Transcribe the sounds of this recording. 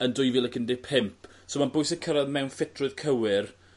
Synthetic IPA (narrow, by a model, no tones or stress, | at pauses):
əndʊjviːlˠəkəndɪpʰɪmpʰ | somanbʊjsənkʰəɾaðmɛwnfɪtʰrʊɨð̥kʰəwɪr